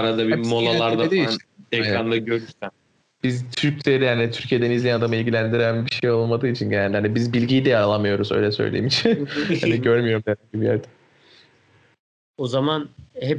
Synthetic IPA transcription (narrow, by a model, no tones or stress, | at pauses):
aɾad̪abimolˠalˠaɾd̪aed̪ieɛkɾanlˠɯɟø̞ɾyɾsæn | b̥izt̪ʰyɾct̪ʰeɾijaːnit̪ʰyɾcʰijed̪ænizlʲejænad̪amɯilʲɟilʲænd̪iɾænbiʃejo̞lˠmad̪ɯːit͡ʃʰinɟenælʲlʲænɛbizbilʲɟijid̪ɛaɾalˠamɯjo̞ɾuzø̰jlʲɛsø̰jlʲḛimit͡ʃʰnha̰niɟøɾmyjo̞ɾumd̪eɾɛibijæ̰ɾd̪ɛ̥ | ozamanhɛ